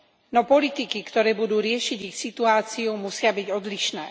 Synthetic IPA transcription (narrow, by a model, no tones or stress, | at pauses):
nɔpɔlit̪ikikt̪ɔɾɛːbud̪uːɾɪɛʃiɟixsit̪uaːt͡siumusɪabiɟɔd̪liʃnɛ̰ː